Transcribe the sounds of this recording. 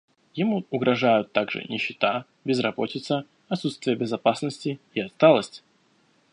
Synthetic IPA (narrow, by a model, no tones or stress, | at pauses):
jɪmuʊɡɾɐʐajʊt̪ːaɡʐɨ̰nʲɪɕːɪt̪a | bʲɪzrɐbotʲɪt̪sə | ɐt̪sut̪st̪vʲɪjəbʲɪzɐpasnəsʲtʲɪɪɐst̪alˠəsʲtʲ